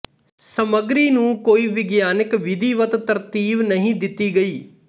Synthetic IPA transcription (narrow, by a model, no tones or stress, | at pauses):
səməɡɾiːnũːkoːiːʋɪɡjaːnɪkʋɪd̪iːʋət̪t̪əɾt̪iːʋnəɦĩːd̪ɪt̪ːiːɡəiː